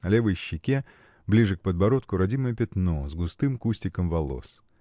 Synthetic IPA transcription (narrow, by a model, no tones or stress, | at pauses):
ɐlʲe̞vəjɕːɪkʲe | blʲiʐɨk̚pəd̪bɐɾot̪kʊɾɐdʲiməjəpʲɪt̪nozɡʊst̪ɨmkusʲtʲɪkəmvɐlˠo̰s